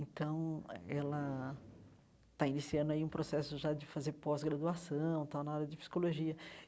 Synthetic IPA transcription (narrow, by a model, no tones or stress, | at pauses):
ẽnt̪ɐ̃w̃ɛlɐ | t̪ainisiɐ̃nʊaiũpɾosɛsʊʒad͡ʒɪfazeɾpɔzɡɾad̪uasɐ̃w̃t̪awnɐaɾɐd͡ʒɪpsi̥koloʒiɐ